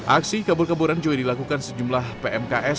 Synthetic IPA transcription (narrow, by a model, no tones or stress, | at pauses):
ʔa̰ksikabʊrkabuɾand͡ʒuɡadilakukansəd͡ʒumlahpeʔɛmkaʔɛ